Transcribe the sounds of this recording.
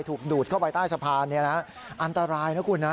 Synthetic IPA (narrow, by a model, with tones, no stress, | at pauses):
jt̪ʰuː˨˩k̚duː˨˩t̪̚kʰa˥˩pa˧jt̪aː˥˩jsʰa˧pʰaː˧nːi˥˩ɐna˦˥ | ʔa˧nt̪a˧ɾaː˧jna˦˥kʰuː˧nːa˦˥